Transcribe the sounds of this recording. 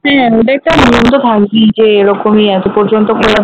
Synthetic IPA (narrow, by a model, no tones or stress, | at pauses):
ɦɛ̃oʈ̬aɛk̚ʈanijomt̪̬ot̪ʰakbid͡ʑeːɾɔkomiad͡ʑpɔɾd͡ʑont̪okʰola